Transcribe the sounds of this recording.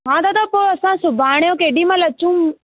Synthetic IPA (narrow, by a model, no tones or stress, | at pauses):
ɦãt̪at̪ɐpoːɐsãsʊbʱaːɽ̃jõkeːɗĩmãlɐt͡ɕũ